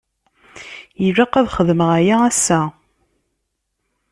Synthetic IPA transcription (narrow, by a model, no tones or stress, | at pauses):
jiʒaqːæðχəðməʁæjaæsːæ